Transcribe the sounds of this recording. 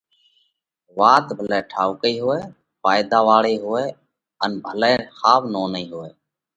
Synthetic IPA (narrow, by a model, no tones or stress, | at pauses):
ʋaːt̪bʱəlɛːʈʰaːukəiːɦʊeː | faːjd̪aːʋaːɭeːɦʊʋeː | ənbʱəlɛ̃ːxaːʋnoːniːɦʊeː